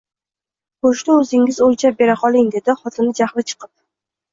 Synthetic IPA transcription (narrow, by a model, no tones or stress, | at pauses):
qoʃt̪aɵzɪŋɪzojt͡ʃʰap̚be̞ɾaqʰɒlˠɪŋd̪e̞d̪ɪχɒt̪ʰɪnɪd͡ʒaχlɪt͡ʃʰɨ̥qʰɨp̚